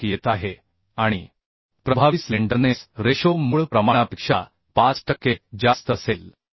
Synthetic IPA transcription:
ijet̪aɦe | aɽ̃ḭ | pɾəbʱaʋisliɳɖənesɾeɕomuɭpɾəmaɽ̃apikʂa̰ | pat͡sʈəkːed͡zast̪əsel

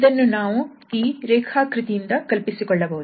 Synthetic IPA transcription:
d̪ɐnːunaːʋu | iːɾɛːkʰaːkɾɪt̪ijind̪ɐkɐlpisikɔɭːɐboːd̪

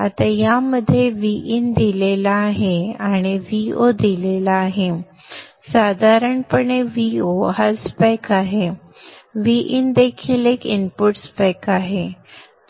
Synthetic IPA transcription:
a̰t̪ajaməd̪ʱːjeʋiʔind̪ilelaːɦeaɽ̃iʋiod̪ilelaːɦe | sad̪ʱaɾəɳpəɳeʋioɦaspajkaɦe | ʋiʔind̪ekʰiːlekinpuʈspajkaɦe

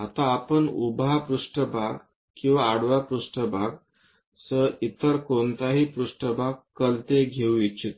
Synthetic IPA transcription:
at̪aːpəɳubʱapɾuʂʈəbʱaɡ | kĩw̃ʋaːɽʋapɾuʂʈəbʱaɡ | səit̪əɾkont̪aɦiːpɾuʂʈəbʱaɡ̚kəlt̪eɡʱeũit͡ɕit̪

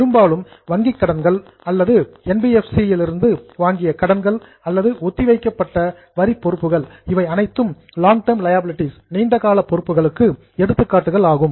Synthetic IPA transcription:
pɪɾɯmbaːlɯm | ʋɐŋɡɪkːɐɽɐnɡɐɭ | ɐlːɐðɯɛnbiɛfsijɪlɪɾɯnd̪ɯʋaːŋɡɪjɐkɐɽɐnɡɐɭ | ɐlːɐðɯʔɔt̪ːiʋɐɪkːɐpːɐʈːɐ | ʋɐɾipːɔɾɯpːɯɣɐɭɪʋɐɪɐnɐɪt̪ːɯm | laːŋɡʈɐɾmlɐjabɪlɪʈːisniːɳɖɐɣaːlɐpːɔɾɯpːɯɣɐɭɯkːɯ | ɛɽɯt̪ːɯkːaːʈːɯɣɐɭaːɣɯm

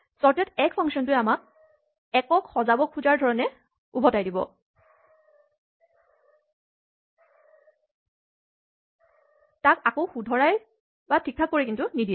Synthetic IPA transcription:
sɔɹtɛtɛkfʰɔŋsɔntʊjamak̚ | ɛkɔkxɔzabɔkʰuzaɹdʱɔɹɔnɛ | ubʱɔtajdibɔ̰ | takakoʊxudʱɔɹaj | batʰik̚pʰak̚ːoɹikintʊnidi

